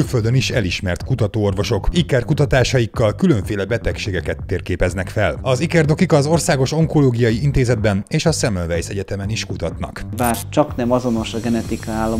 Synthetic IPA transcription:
ylfø̞ld̪ø̞niʃɛliʃmɛrt̪kut̪ɒt̪oːorvo̞ʃo̞kikɛrkut̪ɒt̪aːʃɒjikːɒlkylø̞ɱfeːlɛbɛt̪ɛkʃeːɡɛkɛt̪ːeːrkeːpɛznɛkfɛlɒzikɛrd̪o̞kikɒzo̞rsaːɡo̞ʃo̞ŋko̞loːɡijɒjiint̪eːzɛd̪̚bɛneːʃɒsɛmɛlvɛjsɛɟɛt̪ɛmɛniʃkut̪ɒt̪nɒ̰kbaːrt͡ʃɒknɛmɒzo̞no̞ʃɒɡɛnɛt̪ikɒaːlːɒ

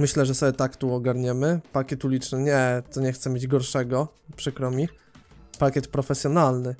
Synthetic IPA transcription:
mɘɕlɛʐɛsɔbʲjɛt̪akt̪uɔɡaɾɲɛmɘpakʲɛt̪ulʲit͡ʂnɘɲɛt̪ɔɲɛxt̪sɛmʲjed͡ʑɡɔɾʂɛɡɔ | pʂɘkɾɔmʲi | pakʲɛt̪pɾɔfɛsʲjɔnalnɘ

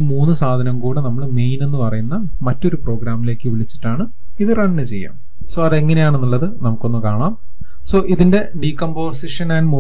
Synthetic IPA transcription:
iːmuːnːɨsaːd̪ʱɐnɐŋkuːɽɨnɐmːɐɭmejne̞nːɨpɐrɐjunːɐ | mɐtːo̞ɾupro̞ːɡɾaːmːile̞ːkːɨʋiɭit͡ɕːi̥ʈːaːɳɨ | iðɨrɐɳːɨt͡ɕe̞jːa̰ːm | so̞ːɐðeŋːɐnejaːɳenːulːɐðɨnɐmukːo̞nːukaːɳaːm | so̞ːʔiðinde̞ | ɖiːkːombo̞ːrsiʂɐnaːnmu

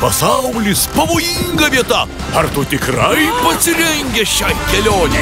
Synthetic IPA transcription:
pɐsɐʊlʲispɐʋoːjiŋɡɐʋʲiɛt̪ɐ | ɐɾt̪ut̪ʲɪkɾɐɪpɐsʲɪɾʲɛŋʲɡʲɛʃʲɛkʲɛlʲoːnʲɛ

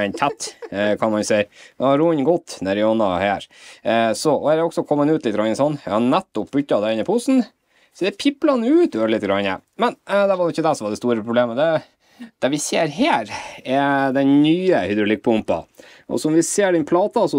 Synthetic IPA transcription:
ɛnt̪ʰæt̪ːkʰɑnmɑnsɛɪɛɑɾuːnɡɔt̪ːnɛɾɪjɔnɑheːɾ | sɔɔhæːɾɛɔksɔkʰɔmːənʉːt̪lɪt̪ːɡɾɑnːəsɔnːɛhɑnæt̪ːɔp̚bʉt̪ːɑd̪ɛɪnɪpʰʊsn | sɔd̪ɛpʰɪplɑnəʉːt̪øːɾlɪt̪ːɡɾɑɲːə̰mɛnd̪ɛʋɑɾnɪçːəd̪ɛsɔmʋɑd̪ɛst̪uːɾəpʰɾʊbleːməd̪ɛ | d̪̥ɛʋɪseːɾɦeːɾɛd̪ɛnnyːəhɪd̪ɾʊlɪk̚pʰʊmpɑ̰ | ʔɔ̰sɔmʋɪseːɖɛnpʰlɑːt̪ɑsɔ

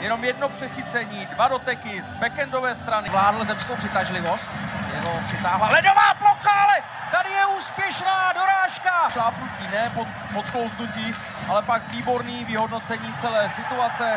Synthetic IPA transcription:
jɛno̞mjɛdno̞pr̥ɛxɪt͡sɛɲiːdvado̞t̪ɛkɪzbɛkɛndo̞vɛːst̪ɾanɪvlaːdl̩zɛmskowprɪt̪aʒlɪvo̞st̪jɛloprɪt̪aːɦlalɛdovaːploxaalɛ | t̪adɪjɛuːspjɛʃnaːdoɾaːʃkaʃlaːfnuciːnɛːpot̪ | pot̪kowzd̪uciː | ʔalɛpakviːbo̞ɾniːvɪɦo̞dno̞t͡sɛɲiːt͡sɛlɛːsɪt̪uat͡sɛ

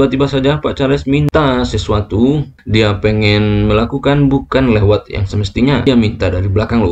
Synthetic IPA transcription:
bat̪ibasad͡ʒapat͡ʃalɛsmint̪asəsuat̪u | diapəŋɛnməlakukanbukanlewat̪̚ja̰ŋsəməst̪iɲaamint̪adaɾibəlakaŋlo̰

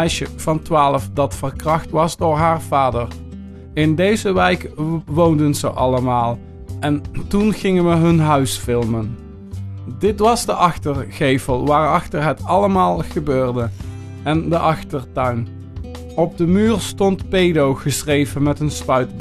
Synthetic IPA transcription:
ɛjʃəv̥ɑntʋaːləfdɑtfərkrɑχtʋɑzdoːɹɦaːɹv̥aːdər | ɪndejzəʋɛjkʋowndənzə̰ʔɑləmaːlˠ | ʔɛntunχɪŋənʋəɦɵnɦœɥsfɪlˠmən | dɪtʋɑzdəʔɑxtərɣejvəlˠʋaːrɑxtəɹɦətɑləmaːlˠχəbøːrdə | ɛndəʔɑχtəɹtœɥn | ɔb̚dəmyːrstɔntpejdowχəsrejvənmɛtənspœɥtb

